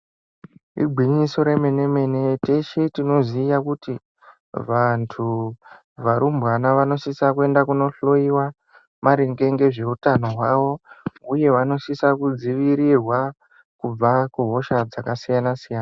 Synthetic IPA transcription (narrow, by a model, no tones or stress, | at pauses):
ḭbʱwiɲiso̞ɾe̞me̞neme̞neteʃitino̞ziːjakuti | ʋantʰu | ʋaɾumbwanaʋano̞sisakue̞ndakuno̞ɬo̞iwa | maɾiŋɡe̞ŋɡe̞ʐe̞utano̞ɦwaʋo̞uje̞ʋano̞sisakud͡ziʋiɾirwa | kub͡vakuɦo̞ʃad͡zakasijanasijaːna